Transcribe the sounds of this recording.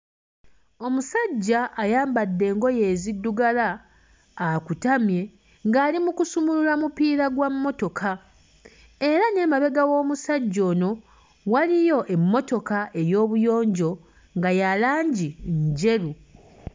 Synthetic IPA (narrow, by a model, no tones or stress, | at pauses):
o̞musaɟːaʔːjaːmbadːe̞ːŋɡo̞je̞ːzidːuɡalaː | kutamje̞ | ŋɡaːlimukusumululamupiːɾaɡwamːo̞to̞kʰa | e̞ɾane̞maβe̞ɡawo̞ːmusaɟːo̞ːno̞ | walijo̞ʔe̞mːo̞to̞kaʔe̞jo̞ːβujo̞ːɲɟo̞ | ŋɡajalaːɲɟiɲɟe̞ɾu